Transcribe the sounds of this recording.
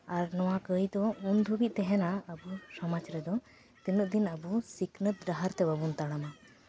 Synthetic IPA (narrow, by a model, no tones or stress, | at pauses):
aɾnɔwakəjd̪ɔunb̪ʱubiʔ̪̚t̪ɛɦɛnaəbusɔmat͡ʃɾɛd̪ɔ | t̪inuʔ̚d̪inəbusiknət̪̚ɾaɦaɾt̪ɛbabunt̪aɽama